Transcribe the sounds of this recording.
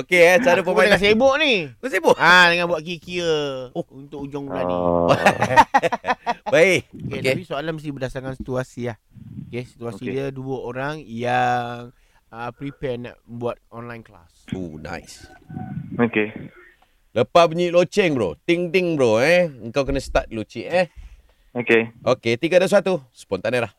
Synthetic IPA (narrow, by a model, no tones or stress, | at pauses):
okesaɾapəmakãsebʊʔniks̬ebʊʔadəŋanbuwat̪̚k̬ikiəunt̪ʊk̚ud͡ʒʊŋaia | baiʔoketkapisoalanməs̬ibədasakansi̥t̪uasiahkesit̪uasidiəduəoɾaŋjaŋ | əpɾipɛna̰ʔbuat̪̚ɔnlajnkla̰sona̰js | oke | ləpabəɲiʔlot͡ʃɛŋbɾo̰t̪iŋt̪ɪŋbɾoɛəŋkawk̬ənəst̪at̪̚lot͡ʃiʔɛ | okeʔoket̪iɡadas̬at̪usə̥pɔnt̪anəlah